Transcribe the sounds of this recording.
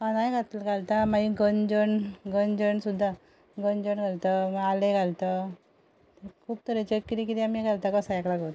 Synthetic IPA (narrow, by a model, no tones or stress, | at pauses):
ɦanajɡʱat̪lɡʱalt̪amaiɡənd͡ʑəɳɡənd͡ʑəɳsud̪ʱːa | ɡənd͡ʑəɳɡʱalt̪əmaleɡʱalt̪ə | kʰuːb̚t̪əɾet͡ɕəkːiɾikid̪iamiɡʱalt̪akəsaaklaɡot̪